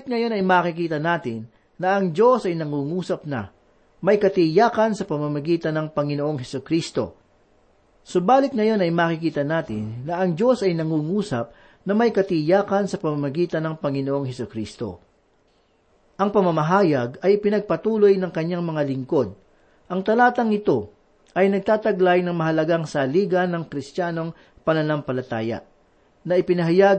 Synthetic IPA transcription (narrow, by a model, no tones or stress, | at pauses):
t̪̚ŋɐjo̞nɐjmaːkɪkiːt̪ɐnaːt̪ɪnː | ɐʔɐŋd͡ʒo̞sɐjnɐŋuːŋuːsɐp̚nɐ̰ | mɐjkɐt̪ɪjaːkɐnsɐpɐmɐmɐɡiːt̪ɐnːɐŋpɐŋɪnoʔo̞ŋɦɛsʊkɾist̪o̞̰ | sʊbaːlɪt̪̚ŋɐjo̞nɐjmaːkɪkiːt̪ɐnaːt̪ɪnːɐɐŋd͡ʒo̞sɐjnɐŋuːŋuːsɐp̚ | nɐmɐjkɐt̪ɪjaːkɐnsɐpɐmamɐɡiːt̪ɐnɐŋpɐŋɪnoʔo̞ŋɦɛsʊkɾist̪o̞̰ | ʔɐŋpɐmɐmɐɦaːjɐɡɐjɪpɪnɐɡ̚pɐt̪uːlojnɐŋkɐɲːaŋmɐŋalɪŋko̞d̪̚ | ʔɐŋt̪ɐlaːt̪ɐŋɪt̪o̞ | ʔɐjnɐɡ̚t̪aːt̪ɐɡlajnɐŋmɐɦɐlɐɡaŋsɐliːɡɐnːɐŋkɾɪst̪jaːno̞ŋ | pɐnɐnampɐlɐt̪a̰ːjɐ̰ | nɐʔɪpɪnɐɦɐjaɡ